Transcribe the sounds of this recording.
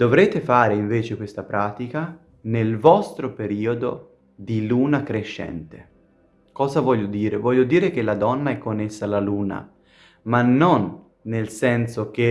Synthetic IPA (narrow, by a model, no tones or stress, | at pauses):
d̪ovɾeːt̪efaːɾeiɱveːt͡ʃekwest̪apɾaːt̪ika | nelvɔst̪ɾopeɾiːod̪o̰ | d̪iluːnakɾeʃːɛ̰nt̪e | kɔːzavɔʎːod̪iːɾevɔʎːod̪iːɾek̟elad̪ɔnːaɛkːonːesːaːlːaluːna̰ | manːonː | elsɛnsok̟e